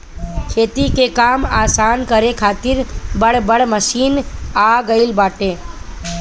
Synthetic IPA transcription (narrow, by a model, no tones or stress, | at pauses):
kʰeːt̪ikekaːmaːsaːnkəɾekʰaːt̪ɪɾbəɽbəɽməʃiːnaːɡəɪlbaːʈeː